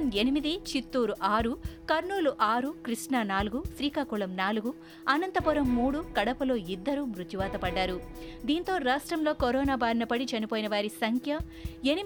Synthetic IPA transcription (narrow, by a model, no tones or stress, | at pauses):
nenimid̪it͡ʃit̪ːuːɾuʔaːɾukɐɾɳuːluʔaːɾukɾiʂɳanaːluɡusɾiːkaːkuɭɐmnaːluɡu | ɐnɐnt̪ɐpuɾɐmːuːɽukɐɽɐpɐlo̞ːid̪ːɐɾuːmɾut̪juʋaːt̪ɐpɐɖːaːɾu | d̪iːnt̪o̞ːɾaːʂʈɾɐmlo̞ːkoɾɔːnaːbaːɾinɐpɐɽit͡ʃɐnipoːjinɐʋaːɾisɐŋkʰjɐ | eni